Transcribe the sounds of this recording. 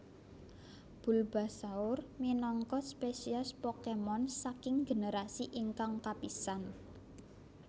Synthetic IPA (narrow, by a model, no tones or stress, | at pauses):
b̥ṳlb̥a̤saʊrminɔŋkɔspesiaspɔkemɔnsakɪŋɡe̤nəɾasiʔiŋkaŋkapisan